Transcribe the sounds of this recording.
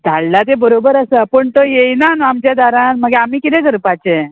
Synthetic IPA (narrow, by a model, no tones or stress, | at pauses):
d̪ʱaɭlad̪ebəɾobəɾəsəpəɳt̪ojejnanoamt͡ɕjad̪aɾãnməɡeamiːkit̪ɛ̃ɡəɾpat͡ɕe